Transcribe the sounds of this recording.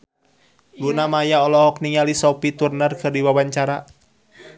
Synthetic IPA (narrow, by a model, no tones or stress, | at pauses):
lunamajaɔlɔɦɔkniŋalisɔpit̪urnərkɨrdiwawaɲt͡ʃaɾa